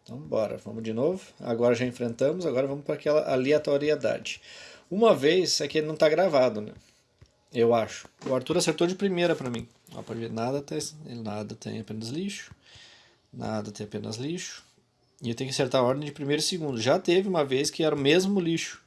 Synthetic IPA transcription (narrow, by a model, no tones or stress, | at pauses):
t̪ɐ̰̃w̃bɔɾɐ̰vɐ̰̃mʊzd͡ʒɪnovʊa̰ɡɔɾɐʒaẽfɾẽnt̪ɐ̃mʊzaɡɔɾɐvɐ̃mʊspɾɐakɛlɐʔaliat̪oɾied̪a̰d͡ʒɪ̥ũmɐvejsɛkɪelɪnɐ̃w̃t̪aɡɾavad̪ʊnɛ̰̃ | ewaʃʊ̥ʊaɾt̪uɾaseɾt̪od͡ʒɪpɾimejɾɐpɾɐmĩ | ɔ̰pɔd͡ʒɪvenad̪ɐt̪ɛselɪnad̪ɐt̪ḛ̃j̃apẽnɐzliʃʊ̥ | na̰d̪ɐt̪ẽj̃apẽnɐ̰zliʃʊ̥ | ɪewt̪ẽj̃kaseɾt̪aɾɔɾd̪ẽj̃d͡ʒɪpɾimejɾʊisɪɡũnd̪ʊʒat̪evɪũmɐveskɪɛɾʊmezmʊliʃʊ̥